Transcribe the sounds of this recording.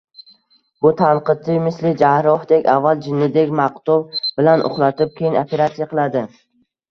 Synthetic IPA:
bʊt̪ʰanqɨt͡ʃ̪ʰːɪmɪslɪd͡ʒahɾɒhd̪ekʲavːalˠd͡ʒɪnːɪd̪ekʲmaqt̪ɔbb̥ɪlanʔʊ̰χlˠat̪ɪp̚kʲʰejɪnopʰe̞ɾat̪sijaqʰɨlˠad̪ɪ

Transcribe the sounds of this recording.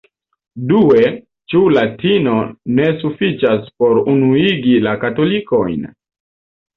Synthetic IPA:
due̞ | t͡ʃulatino̞ne̞sufit͡ʃaspo̞ɾunuiɡilakato̞liko̞jn

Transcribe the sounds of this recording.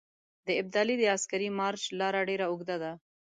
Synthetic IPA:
d̪əɪb̚d̪ɑlid̪əaskaɾimɑɾt͡ʃlɑɾaɖeɾaʊɡd̪ad̪a

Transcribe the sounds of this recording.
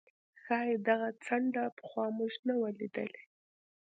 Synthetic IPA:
xɑjed̪aɣat͡saɳɖapə̥xwɑmʊʃnawalid̪ə̰le

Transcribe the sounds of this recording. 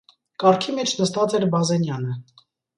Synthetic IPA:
kɑɾkʰimɛt͡ʃʰnəst̪ɑt͡sɛɾbɑzɛnjɑnə

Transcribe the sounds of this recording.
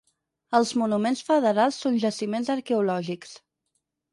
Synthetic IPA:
əlˠzmunumensfəðəɾalˠsːonʲʒəsimenzəɾkɛulɔʒiks

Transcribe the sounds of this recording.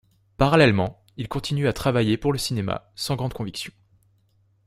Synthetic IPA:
paʁalɛlmɑ̃ | ilkɔ̃t̪ʰinyat̪χavajepuʁləsinema̰sɑ̃ɡʁɑ̃d̪kɔ̃viksjɔ̃

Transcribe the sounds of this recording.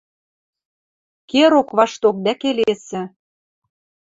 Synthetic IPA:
keɾokβɑʃt̪ok̚d̪ækelesɘ̆

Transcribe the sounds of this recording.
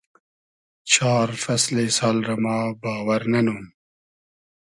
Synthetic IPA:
t͡ʃʰɑːɾfɐslesaːlɾɐmɑːbɑːwɐɾnɐnuːm

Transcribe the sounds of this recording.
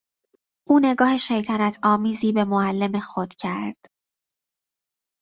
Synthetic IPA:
ʔuːne̞ɡɒːhe̞ʃejt̪ʰænæt̪ʰɒːmiːziːbe̞moælːe̞me̞xod̪̥cʰæɾd̪̥

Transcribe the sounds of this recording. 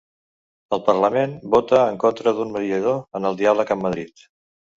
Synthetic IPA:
əlˠpərləmenbot̪əːŋkont̪ɾəðunməðiəðoənəlˠd̪ialəkəmːəðɾit̪

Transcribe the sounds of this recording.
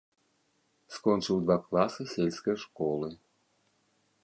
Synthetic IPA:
skɔnʲt͡ʂɨlˠd̪vaklˠasɨsʲelʲskɐjʂkɔlˠɨ

